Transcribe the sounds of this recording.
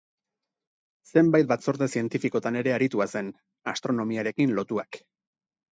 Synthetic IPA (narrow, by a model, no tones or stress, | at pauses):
se̞mbajt̪̚bat͡so̞ɾðe̞sie̞nt̪ifiko̞t̪ane̞ɾe̞aɾit̪uase̞n | ast̪ɾo̞no̞miaɾe̞kinlo̞t̪uak